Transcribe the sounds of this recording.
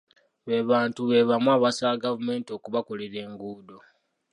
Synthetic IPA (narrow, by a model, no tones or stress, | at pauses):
βeβaːntuβe̞βamwaːβasaɡavume̞ːntio̞ːkuβako̞leɾe̞ːŋɡuːdo̞